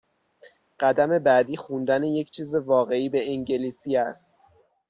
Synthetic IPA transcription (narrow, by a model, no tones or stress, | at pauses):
ɢ̥æd̪æme̞bæd̪iːxund̪æneje̞cʰt͡ʃʰiːze̞vɒːɣe̞iːbe̞iŋɟeliːsiːæst̪